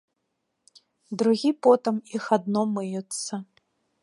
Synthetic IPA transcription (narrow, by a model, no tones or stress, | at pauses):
d̪ɾuɣʲipɔt̪ɨmixad̪nɔmɨjut̪sːɐ